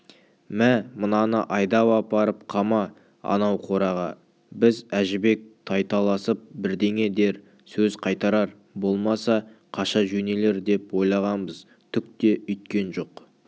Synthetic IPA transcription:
mæmənɑnəʔɑjd̪ɑwɑpɑɾəp̚qʰɑmɑ | ɑ̰nɑwqʰo̞ɾɑʁɑ | bɪzæʒɪbe̞k̚t̪ʰɑjt̪ɑlˠɑsəp̚bɪɾd̪e̞ŋʲe̞d̪e̞ɾ | sɵzqʰɑjt̪ɑɾɑɾ | bo̞lˠmɑsɑqʰɑʃɑʒɵne̞le̞ɾd̪e̞pwo̞jlˠɑʁɑnbəz | t̪ʰʏk̚t̪e̞ʏjt̪̚kʲe̞nʒo̞q

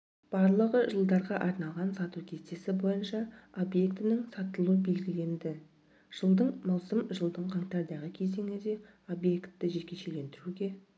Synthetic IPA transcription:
b̥ɑɾlˠəʁəʒəlˠd̪ɑɾʁɑʔɑɾnɑlˠʁɑnsɑt̪uwkʲʰest̪e̞sɪbo̞jənʃɑo̞bje̞kt̪ɪnɪŋsɑt̪əlˠuəbe̞lɡʲɪle̞nd̪ɪ | ʒ̥əlˠd̪əɴmɑlˠsəmʒəlˠd̪əɴqʰɑŋt̪ɑɾd̪ɑʁəkʲʰe̞ze̞ŋɪd̪e̞ | o̞bje̞kt̪ːɪʒekʲe̞ʃe̞le̞nd̪ɪɾuɡʲe̞

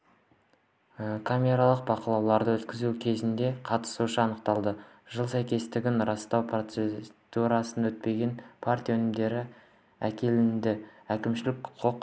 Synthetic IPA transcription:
əkʰamʲe̞ɾalˠəq̚bɑqəlˠɑwlˠɑɾd̪əwɵt̪kʲɪzukʲʰe̞zɪnd̪e̞qʰɑt̪ə̥suʃəɑnəqt̪ɑlˠd̪ə | ʒ̥əlˠsæjkʲe̞st̪ɪɡʲɪnɾɑst̪ɑwpʰro̞t̪sed̪̥uɾɑsənd̪ɑɵt̪̚pe̞ɡʲe̞npʰart̪ʲijawɵnɪmd̪e̞ɾɪ | ækʲe̞lɪnd̪ɪækʲɪmʃɪlɪkqʰoq

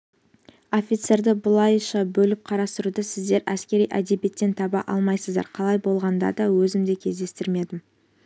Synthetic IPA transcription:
o̞fʲijt̪se̞ɾd̪ɪbʊlˠɑjʃɑbɵlɪp̚qʰɑɾɑst̪əɾud̪əsɪzd̪e̞ɾʔæskʲe̞ɾijʔæd̪e̞be̞t̪ːe̞nt̪ʰɑbɑʔɑlˠmɑjsəzd̪ɑ̰ɾqʰɑlˠɑjbo̞lˠʁɑnd̪ɑ̰d̪ɑwɵzɪmd̪ekʲʰe̞zd̪e̞st̪ɪɾme̞d̪ɪm

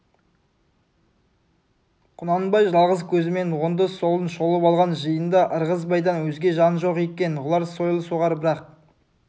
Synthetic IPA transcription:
qʰʊnɑnbɑjʒɑlˠʁəzkʲʰɵzɪme̞nwond̪əso̞lˠənʃo̞lˠəpɑlˠʁɑnʒəjənd̪ɑʔəɾʁəz̬bɑjd̪ɑnwɵzɡʲe̞ʒɑnʒo̞qekʲe̞nʁʊlˠɑɾso̞jlˠəsuʁɑɾbɪɾɑq̚

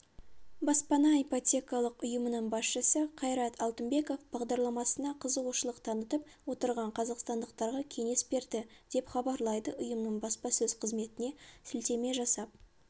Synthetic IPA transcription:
bɑspɑnɑipo̞t̪ʲe̞kɑlˠəqʊjəmənəɴbɑsʃəsəqʰɑjɾɑt̪ʰɑlˠt̪əmbe̞ko̞fb̥ɑʁd̪ɑɾlˠɑmɑsənɑqʰəzəʁuʃəlˠəqt̪ʰɑnət̪əp̚wo̞t̪əɾʁɑɴqʰɑzɑqst̪ɑnd̪əqt̪ɑɾʁɑkʲʰe̞ŋe̞sbe̞ɾd̪ɪd̪̥e̞pχɑbɑɾlˠɑjd̪əʔʊjəmnəɴbɑspɑsɵz̥qʰəzme̞t̪ɪne̞sɪlt̪e̞me̞ʒɑsɑp̚

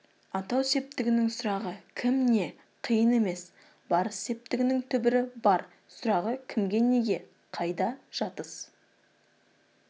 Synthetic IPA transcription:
ɑt̪ɑwse̞p̚t̪ɪɡʲɪnɪŋsʊɾɑʁəkʲʰɪmne̞ | qʰijəne̞me̞s | bɑɾəsːe̞p̚t̪ɪɡʲɪnɪŋt̪ʰʏbɪɾɪbɑɾ | sʊɾɑʁəkʲʰɪmɡʲe̞ne̞ɡʲe̞ | qʰɑjd̪ɑʒ̥ɑt̪əs

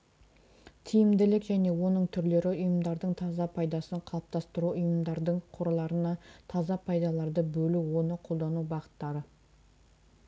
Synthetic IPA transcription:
t̪ʰijɪmd̪ɪlɪkʒæne̞wo̞nəɴt̪ʰʏɾle̞ɾɪʊjəmd̪ɑɾd̪əɴt̪ʰɑzɑpʰɑjd̪ɑsəɴqʰɑlˠp̚t̪ʰɑst̪əɾuʊjəmd̪ɑɾd̪əɴqʰoɾlˠɑɾənɑt̪ʰɑzɑpʰɑjd̪ɑlˠɑɾd̪əbɵluwo̞nəqʰo̞lˠd̪ɑnubɑʁə̥t̪ːɑɾə

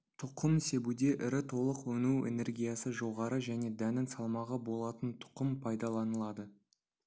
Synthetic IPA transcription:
t̪ʰʊqʰəmse̞bud̪e̞ʔɪɾɪt̪ʰo̞lˠəqwɵnuḛne̞ɾɡʲijasəʒo̞ʁɑɾəʒæne̞d̪ænɪnsɑlˠmɑʁɑbo̞lˠɑt̪ənt̪ʰʊ̥qəmpʰɑjd̪ɑlˠɑnəlˠɑd̪ə

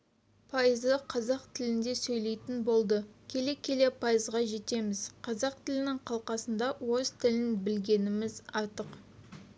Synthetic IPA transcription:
pʰɑjəzəqʰɑzɑqt̪ʰɪlɪnd̪e̞sɵjle̞jt̪ɪnbo̞lˠd̪əkʲʰe̞le̞kʲʰe̞le̞pʰɑjəzʁɑʒe̞t̪e̞mɪzqʰɑzɑq̚t̪ʰɪlɪnɪŋqʰɑlˠqɑsənd̪ɑwo̞zt̪ʰɪlɪnbɪlɡʲe̞nɪmɪzɑɾt̪əq

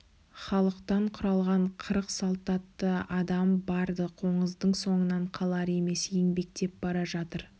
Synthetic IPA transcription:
χɑlˠəqt̪ɑɴqʰʊɾɑlˠʁɑɴqʰəɾəqsɑlˠt̪ɑt̪ːəɑd̪ɑmbɑɾd̪əqʰo̞ɴəzd̪əɴso̞ɴənɑɴqʰɑlˠɑɾe̞me̞sje̞ŋbe̞k̚t̪e̞p̚bɑɾɑʒɑt̪əɾ

